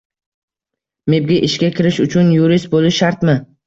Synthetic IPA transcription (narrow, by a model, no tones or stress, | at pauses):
meb̚ɡʲaʔɪʃkʲakʲʰɪɾɪʃʊt͡ʃʰʊnjuɾɪst̪̚bolɪʃaɾt̪mɪ